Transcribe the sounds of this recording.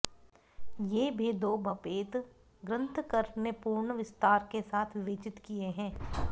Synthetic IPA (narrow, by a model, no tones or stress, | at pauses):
jeːbʱeːd̪oːbʱɐpeːt̪ | ɡɾə̃nt̪ʰkəɾnepuːɾɳəʋɪst̪aːɾkesaːt̪ʰʋɪʋeːt͡ʃɪt̪kieɦɛ̃ː